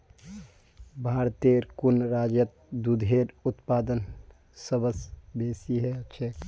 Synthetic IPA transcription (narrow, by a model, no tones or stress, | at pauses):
bʱaːɾt̪eɾkunɾaːd͡ʒjət̪̚ | d̪ud̪ʱeːɾʊt̪paːd̪ən | səbəsbeːsiɦɛt͡ʃʰek